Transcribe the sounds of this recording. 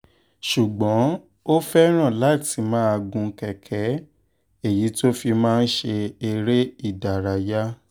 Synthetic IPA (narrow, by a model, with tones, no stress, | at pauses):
ʃu˨ɡ͡bɔ̃˨˦ | o˦fɛ˦ɾ̃ã˦˨la˨˦˨ti˨˧mãː˦a˧ɡũ˧kɛ˨kʰɛ˨˦ | e˦˨ji˨˦to˦fi˧mãː˦˧n̩˦ʃe˧e˧ɾe˦i˦˨da˨ɾa˨ja˦